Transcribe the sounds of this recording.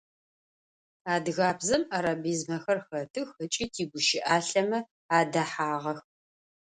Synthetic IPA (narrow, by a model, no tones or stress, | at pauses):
aːdɣaːbzɐmaɾaːbiːzmɐxɐrxɐtʰɨxət͡ʃʼiːtʰiːɡʷʊʃɪʔaːɬɐmɐ | aːdɐħaːʁɐx